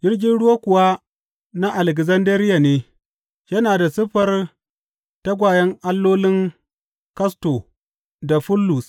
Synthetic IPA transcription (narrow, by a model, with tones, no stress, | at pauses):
d͡ʒɪ˦rɡʲɪ˦nɽʊ˦wa˦kʷʊ˨wa˦ | na˦ʔa˨lɛ˨k̬zɐ˦ndɐ˦ɾɪ˦ja˨neː˦ | jɐ˦naː˨da˨sʊ˦ɸɐ˦r | ta˦ɡʷaː˨jɐ˦ŋʔa˦lːoː˦lɪ˦ŋ | kɐ˦stoː˨ | da˨ɸʊ˦lːu˨s